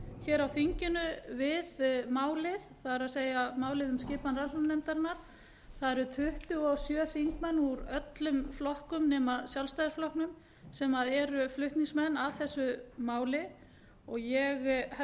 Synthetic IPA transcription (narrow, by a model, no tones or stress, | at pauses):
çɛːɾawfiɲcʏnʏvɪðmaːwlɪðθaðɛɾaðseːjamaːwlɪðʏmscɪːpanraannɛmt̪aɾnːaɾ̥ | θaðɛɾʏt̪ʰʏht̪ʏɔsjœːfiŋkmɛnːuɾœt̪lʏmflɔhkʏmnɛːmaðsjawlst̪ajðʏsflɔhknʏm | sɛmaðɛɾʏflʏht̪niŋsmɛnːaðθɛsːʏmaːwlɪ | ɔɣjɛɣhɛ